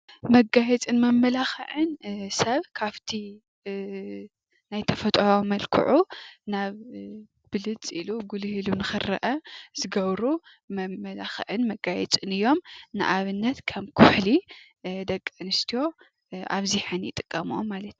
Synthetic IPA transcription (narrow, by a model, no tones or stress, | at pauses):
mɐɡajɛt͡sʼɨnmɐmːɐlaxɐ̰ʕɨnsɐβkʰaβt̪ʰi | najt̪ʰɐfɐt̪ʼɾawmɐlkʰṵʕunaβ | b̥ɨlɨt͡sʼiluɡulhɨlunɨxɨrɐ̰ʔɐzɨɡɐβɾu | mɐmɐlaxʕɨnmɐɡajɛt͡sʼɨnɨjːo̞mnɨʔaβɨnːɐt̪kʰɐmkʰuħli | d̪ɐkʼːɨnɨst̪ʰijo̞ | ʔa̰βziħɨnjɪt̪ʼɨkʼːɐmomːalɐt̪